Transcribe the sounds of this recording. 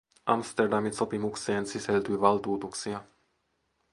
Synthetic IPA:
a̰mst̪ɛɾd̪amisɔpimuksɛːnsisɛld̪ujvald̪uːt̪uksia

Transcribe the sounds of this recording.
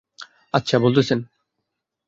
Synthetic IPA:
ɐtːɕʰabolˠt̪esen

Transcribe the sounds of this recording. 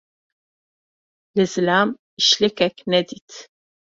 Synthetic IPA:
lɨzɨlam | iʃlɛkɛknɛd̪it̪ʰ

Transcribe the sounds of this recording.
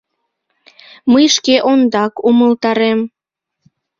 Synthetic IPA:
məjʃkeʔond̪ɑkuməlt̪ɑɾem

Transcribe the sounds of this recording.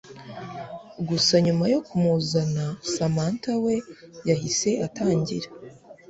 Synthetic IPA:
ɡusaɲumajo̞kʰumuzanasamaːntawe̞jahise̞ataːɲɟḭɾa

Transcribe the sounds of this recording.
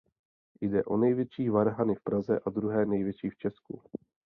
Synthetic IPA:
jdɛʔo̞nɛjvjɛt͡ʃiːvaɾɦanɪfpɾazɛʔadɾuɦɛːnɛjvjɛt͡ʃiːft͡ʃɛskṵ

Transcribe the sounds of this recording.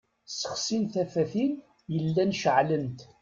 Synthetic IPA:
sə̥χsinθæfæθin | jəlːænʃəʕlənt̪

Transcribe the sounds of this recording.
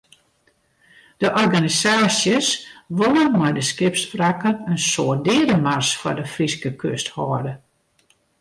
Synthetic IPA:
d̥əʔɔrɡanisaːsjəsʋolˠənmɛjdəskɪpsfrakənənsoədɪːədəmarsfɔrdəfriskəkʰøsthɔːdə

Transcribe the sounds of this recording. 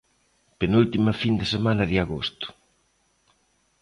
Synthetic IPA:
penult̪imɐfind̪esemanɐðɪaɣost̪ʊ̥

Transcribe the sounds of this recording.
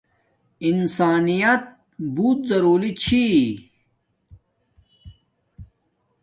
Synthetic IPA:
insaːnijɐt̪̚ | buːt̪̚zɐɾuːlit͡ɕʰi

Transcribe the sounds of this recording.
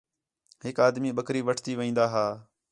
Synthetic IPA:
ɦɪkaːd̪miːɓəkɾiːʋəʈʰt̪iːʋĩːnd̪aːɦaː

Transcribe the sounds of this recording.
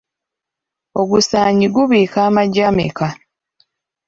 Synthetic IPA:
oɡusaːɲiɡuβiːkaːmaɟamḛka

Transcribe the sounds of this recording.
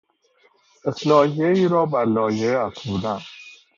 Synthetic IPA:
ʔeslɒːhieiːɾɒːbæɾlɒːjeæsuɾd̪æn

